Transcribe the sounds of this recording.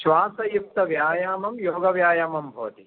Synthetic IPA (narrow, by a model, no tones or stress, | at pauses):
ʃʋaːsɐjuk̚t̪ɐʋjaːjaːmɐmjoːɡɐʋjaːjaːmɐmbʱoːt̪i